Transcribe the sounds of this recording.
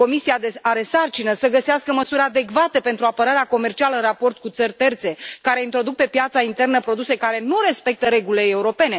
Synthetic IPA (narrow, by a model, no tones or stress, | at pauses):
ko̞misiad̪eaɾe̞sart͡ʃinəsəɡəseaskəməsuɾʲad̪e̞kvat̪e̞pe̞nt̪ɾuapəɾaɾeako̞me̞rt͡ʃialəɨnrapo̞rt̪̚kut̪sərʲt̪e̞rt̪se̞kaɾe̞int̪ɾo̞d̪uk̚pe̞pjat̪saint̪e̞rnəpɾo̞d̪use̞kaɾe̞nuɾe̞spe̞k̚t̪əɾe̞ɡulileːuɾo̞pe̞ne̞